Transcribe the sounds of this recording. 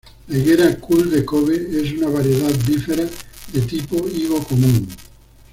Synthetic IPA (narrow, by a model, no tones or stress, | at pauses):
neɣeɾakuld̪ekoβees̬unaβaɾjeðat̪difeɾaðet̪ipoiɣokomũŋ